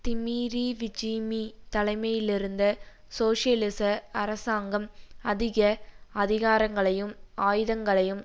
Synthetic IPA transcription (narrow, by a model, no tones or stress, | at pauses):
t̪ɪmiːɾiʋɪd͡ʒimit̪ɐlɐɪmɐjɪlɪɾɯnd̪ɐ | soːʂɪɐlɪsɐɐɾɐsaːŋɡɐmɐðɪɣɐɐðɪɣaːɾɐŋɡɐɭɐjɯmaːjɯðɐŋɡɐɭɐjɯm